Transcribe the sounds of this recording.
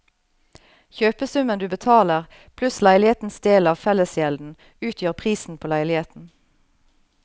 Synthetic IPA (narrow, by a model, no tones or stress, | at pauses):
çøːpəsʉmənd̪ʉːbət̪ʰɑːləʁ | pʰlʉslæɪlɪheːt̪n̩sd̪eːlɑːʋfɛləsjɛld̪n̩ | ʉːt̪ʰjøːʁpʰʁiːsn̩pʰoːlæɪlɪheːt̪n̩